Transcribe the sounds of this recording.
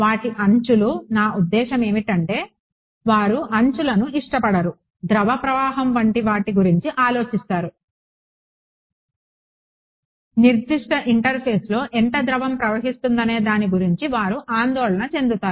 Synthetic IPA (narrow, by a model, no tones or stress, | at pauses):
ʋaːʈiʔɐɲt͡ʃulunaːud̪ːɛːʃɐme̞ːmiʈɐɳʈe̞ː | ʋaːɾuʔɐɲt͡ʃulɐnuiʂʈɐpɐɽɐɾu | d̪ɾɐʋɐpɾɐʋaːɦɐmʋɐɳʈiʋaːʈiɡuɾiɲt͡ʃiʔaːlo̞ːt͡ʃist̪aːɾu | niɾd̪iʂʈɐʔiɳʈɐɾpʰeːslo̞ːʔɛɳʈɐd̪ɾɐʋɐmpɾɐʋɐɦist̪und̪ɐne̞ːd̪aːniɡuɾiɲt͡ʃiʋaːɾuʔaːnd̪ɔːɭɐnɐt͡ʃe̞nd̪ut̪aːɾu